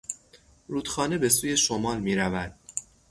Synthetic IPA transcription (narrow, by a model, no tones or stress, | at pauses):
ɾuːd̪̥xɒːne̞be̞suːje̞ʃomɒːlmiːɾævæd̪̥̚